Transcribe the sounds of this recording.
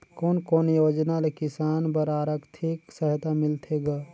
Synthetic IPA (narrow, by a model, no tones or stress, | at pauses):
koːnkoːnjoːd͡ʒnalekɪsaːnbəɾaːɾəkt̪ʰiksəɦt̪amɪlt̪ʰeɡaː